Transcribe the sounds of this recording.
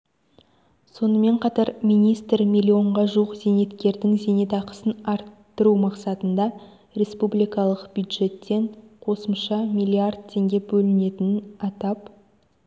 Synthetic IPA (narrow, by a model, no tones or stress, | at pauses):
so̞nəme̞ɴqʰɑt̪ɑɾmijnijst̪rmʲijlʲːio̞ɴʁɑʒuwəqz̥e̞ne̞t̪kʲe̞ɾd̪ɪŋze̞ne̞t̪ɑqə̥sənɑɾt̪ːəɾumɑqsɑt̪ənd̪ɑ | ɾʲe̞spublijkɑlˠəqbjud̪ʒe̞t̪ːe̞ɴqʰo̞səmʃɑmʲijlʲˠijard̪̚t̪ʲʰe̞ŋɡʲe̞bɵlɪne̞t̪ɪnnɑt̪ɑp